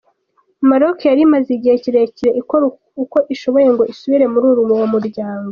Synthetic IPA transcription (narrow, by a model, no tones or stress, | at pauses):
maɾokejaɾimaziɟiheciɾe̞ciɾe̞ʔiko | uko̞ʔiʃo̞βo̞je̞ŋɡo̞ʔisuβiɾe̞muɾuːɾumuwamuɾɟaːŋɡo